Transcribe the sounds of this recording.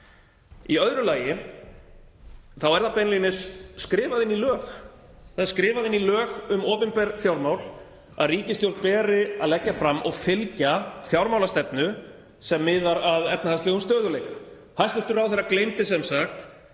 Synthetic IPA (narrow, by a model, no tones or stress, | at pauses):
iœðɾʏlaːjɪ | θawɛɾðapɛnlinɪsːkɾɪːvaðɪnːilœːx | θaðɛɾ̥skɾɪːvaðɪnːilœːxʏmɔːpɪmpɛɾfjawɾmawl | a̰ðriːcɪst̪jowlt̪̚pɛːɾɪa̰ðlɛcːafɾamːʔɔɣfɪlcaθjawɾmawlast̪ɛpnʏ | sɛmːɪːðaɾaðɛp̚nahast̪ɛɣʏmst̪œːðʏlejkḁ | θaðst̪ʏft̪ʏɾawθejɾaklejnt̪ɪs̬ɛmsaxt̪